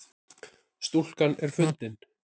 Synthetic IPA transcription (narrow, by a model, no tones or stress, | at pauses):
st̪ul̥kanɛɾ̥fʏnt̪ɪn